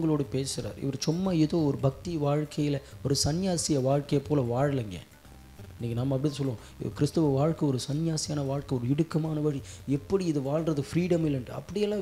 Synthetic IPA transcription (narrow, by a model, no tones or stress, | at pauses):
ŋɡɐɭoːɽɯpeːsɪɾa̰ːɾɪ̰ʋɐɾt͡ʃʊmːɐɪðoːɔɾɯbɐk̚t̪iʋaːɻkʰɐjɪlɐɔɾɯsɐnjaːsɪjɐʋaːɻkɐjɐpːoːlɐʋaːɻɐlɐŋɡḛ | ɪnːiːŋɡɐnaːmɐɐpːɐɽɪt̪ːɯs̬ɔlːõ | kɪɾɪst̪ɯʋɐʋaːɻkɐɔɾɯsɐnjaːsɪjaːnɐʋaːɻkɛɔɾɯɪɽɯkːɐmaːnɐʋɐɻiɛpːɐɽiɪðɯʋaːɭɾɐðɯfɾiːɽɐmɪlːɛnɖɯɐ̰pːɐɽɪjɛlːãː